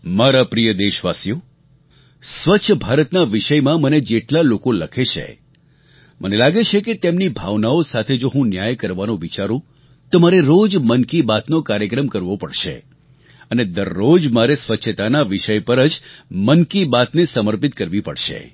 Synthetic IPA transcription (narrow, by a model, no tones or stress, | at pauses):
maɾapɾijəd̪eʃʋasjo | sʋətːʃʰəbʱaɾət̪naʋiʃəjmãməned͡ʒeʈlalokoləkʰeʃʰḛ | mʔənelaɡet͡ʃʰeket̪emnibʱaʋnaosat̪ʰed͡ʒoɦũnjajkəɾʋanõʋit͡ʃaɾũ | t̪omaɾeɾod͡ʒmənkibat̪nokaɾjəkɾəmkəɾʋopəɽʃḛ | əned̪əɾːod͡ʒmaɾesʋətːʃʰət̪anaʋiʃəjpəɾəd͡ʒmənkibat̪nesəməɾpit̪̚kəɾʋipəɽʃḛ